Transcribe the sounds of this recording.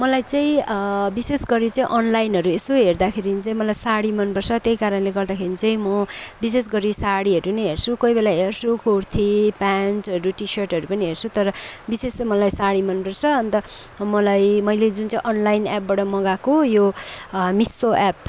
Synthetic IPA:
mʌlajt͡saĩbisesɡʌɾit͡saĩʔʌnlajnɦʌɾuesoɦerd̪akʰeɾint͡saĩmʌlajsaɽimʌnpʌrt͡sʰʌt̪jejkaɾʌnleɡʌrd̪akʰeɾit͡sʌĩmʌbises̬ɡʌɾisaɽiʌɾunʌiɦert͡sʰukʌjbelaɦert͡sʰukort̪ʰipanʈʌɾuʈisʌrʈɦʌɾupʌniɦert͡sʰut̪ʌɾʌbisesʌmʌlajsaɽimʌnpʌrt͡sʰʌʌnt̪ʌ | mʌlajmʌjled͡zunt͡saĩʔʌnlajnap̚baʈʌmʌɡakojo | misoʔap̚

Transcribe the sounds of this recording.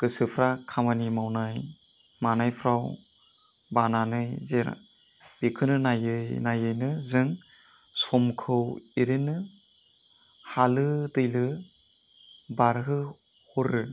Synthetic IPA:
kɯsɯpʰɾakʰamanimawnaj | manajpʰɾaw | bananɯjzeɾ̰ | ikʰɯnɯnajɯjnajɯjnɯzɯŋ | sɔmkʰɯwiɾenɯ | halɯtɯjlɯ | baɾɦɯ | huɾɯ

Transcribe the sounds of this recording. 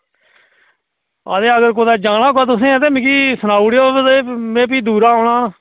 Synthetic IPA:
a̰ːd̪eːəɡəɾkoːd̪aːd͡ʒaːɽaːkoaːt̪̬ʊsẽːt̪̬eːmkiːsənaːuɽjoːt̪eːmẽːp̬iːd̪uːɾaːoːɽaː

